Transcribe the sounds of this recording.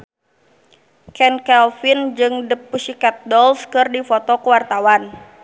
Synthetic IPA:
kɛnkɛlfɪnd͡ʒɨŋdəpːusikat̪̚dɔlskɨrdifot̪ɔkəwart̪awan

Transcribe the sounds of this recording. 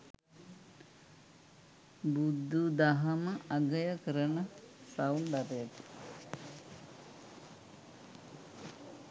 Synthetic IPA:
bud̪ːud̪aɦɐməaɡəjəkəɾənəsauld̪at̪ejək

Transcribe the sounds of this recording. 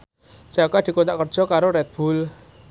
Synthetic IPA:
d͡ʒ̥akad̪̥i̤kont̪aʔkərd̥ʒ̥ɔ̤kaɾoɾɛt̪̚b̥ṳl

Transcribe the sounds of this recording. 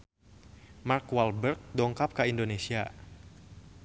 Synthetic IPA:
markwalbərk̚dɔŋkap̚kaindonesia

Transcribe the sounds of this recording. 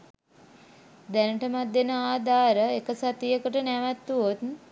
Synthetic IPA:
d̪ænəʈəmat̪̚d̪enəaːd̪aːɾəekəsat̪ijəkəʈənɛʋæt̪ːuot̪

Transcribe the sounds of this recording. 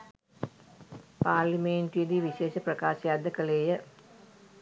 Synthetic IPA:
paːɾlimeɳʈijed̪iʋiʃeːʃəprɐkaːʃijaːd̪əkəleːjə

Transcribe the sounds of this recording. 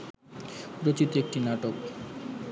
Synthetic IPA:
ɾot͡ɕit̪ek̚ʈinaʈok

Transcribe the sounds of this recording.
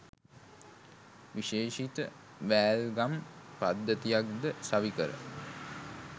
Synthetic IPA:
ʋiʃeːʃit̪ə | ʋæːlɡampad̪ːət̪ijak̚d̪əsaʋikəɾə̰

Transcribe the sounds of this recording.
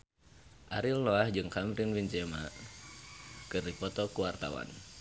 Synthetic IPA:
ʔaɾilːɔahd͡ʒɨŋkamɾinwiɲt͡ʃɛma̰ | kɨrdipɔt̪ɔkuwart̪a̰wa̰n

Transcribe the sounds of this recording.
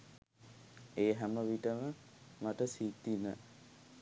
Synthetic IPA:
eːɦæməʋiʈəmə | maʈəsit̪ːinə

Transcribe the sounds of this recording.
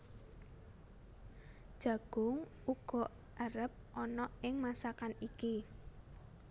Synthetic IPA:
d̥ʒ̥a̤ɡ̥ʊŋ | uɡ̥ɔ̤ʔ | aɾəp̚ʔɔnɔɪŋmasakaniki

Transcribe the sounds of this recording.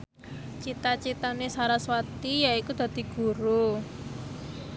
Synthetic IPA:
t͡ʃit̪at͡ʃit̪anesaɾaswat̪ijaikud̪̥ä̤d̪̥i̤ɡ̥ṳɾu

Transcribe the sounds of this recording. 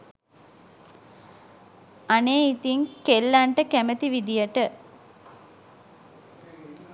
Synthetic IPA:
aneːit̪iŋkelːaɳʈəkæmət̪iʋid̪ijəʈə

